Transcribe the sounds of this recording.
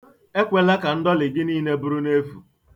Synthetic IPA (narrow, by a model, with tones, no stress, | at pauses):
e˦kʷe˦la˦ka˨n̩˦dɔ˦lɪ˨ɡɪ˦niː˦ne˦bʊ˦ɾu˦ne˦fu˨